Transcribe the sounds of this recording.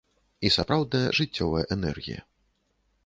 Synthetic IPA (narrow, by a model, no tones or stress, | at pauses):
isapɾawd̪̚nɐjɐ̰ʐɨt͡st͡sʲːɔvɐjɐʔɛnɛ̰rɣʲḭjɐ̰